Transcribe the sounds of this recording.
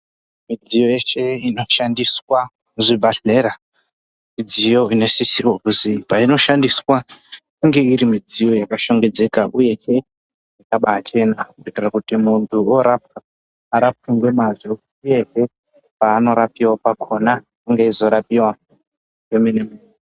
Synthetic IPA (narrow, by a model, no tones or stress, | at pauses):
mid͡zijojeʃe̞ino̞ʃandiswa | uʐibaɬe̞ɾa | mid͡zijo̞ine̞sisiwokuzipaino̞ʃandiswakuŋɡe̞iɾimid͡zijo̞jakaʃo̞ŋɡe̞d͡ze̞kaʔuje̞ɦe | akaɓaːt͡ʃe̞nakuotirakutimuntʰuoɾap̚kaː | ɾap̚kiŋɡwemazo | uje̞ɦe̞ | paːno̞ɾapiwapakʰo̞na | kuŋɡeizo̞ɾapiwa | emenemuno